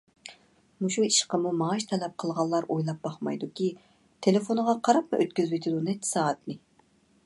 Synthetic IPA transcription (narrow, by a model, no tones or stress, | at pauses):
muʃuiʃqəmumɑʃt̪ʰɛlɛp̚qʰəlˠʁɑlˠːɑɾʔojlˠɑp̚b̥ɑχmɑjd̪ukʲi | t̪ʰelɪfonʁɑqʰɑɾɑp̚mɨʔøt̪̚kʲyzbɪt̪ʰɪd̪unɛt̪ʰːɪ̥sɑːət̪nɨ